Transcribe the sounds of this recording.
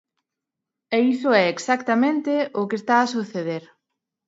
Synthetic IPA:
eisʊɛeksakt̪amẽnt̪eʊkest̪aːsuθeðeɾ

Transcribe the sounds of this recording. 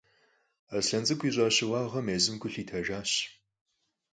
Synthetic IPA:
asɬɐnd͡zʼɨkʷʰiːʑʼaːɕɪwɑːʁɐmeːzɨmɡʰʷʊɬiːtʰɐʒaːɕ

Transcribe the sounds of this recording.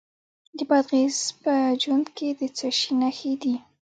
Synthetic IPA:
d̪əbad̪ɣezpəd͡ʒwand̪ked̪ət͡səʃinaxed̪i

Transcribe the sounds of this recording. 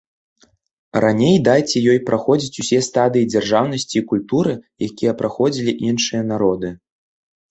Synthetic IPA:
ranʲejd̪ajt͡sʲɛjɔjpɾʔaxɔd͡zʲit͡sʲusʲɛst̪ad̪ɨjid͡zʲarʐawn̪ɐsʲt͡sʲiːkulʲt̪uɾɨjakʲijɛpɾaxɔd͡zʲilʲiʔinʂɨjɐn̪aɾɔd̪ɨ

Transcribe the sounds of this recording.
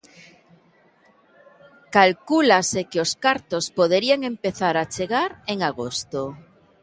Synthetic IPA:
kalkulasekeo̞skaɾt̪ospoðeɾiaŋẽ̞mpe̞θaɾat͡ʃeɣaɾeŋaɣost̪o

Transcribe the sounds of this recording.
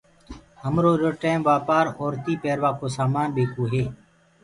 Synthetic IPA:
ɦəmɾoːɾoːʈeːmʋaːpaːɾoːɾt̪iːpeːɾʋaːkoːsaːmaːnɓeːkoːɦeː

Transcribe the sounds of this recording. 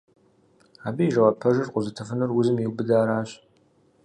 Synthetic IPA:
aːbijʒɐwɐpʰɐʒɨrqʷʼʊzɨtʰɐfɨnɨrwʊzɨmjɪwbɨdaːɾaːɕʼ

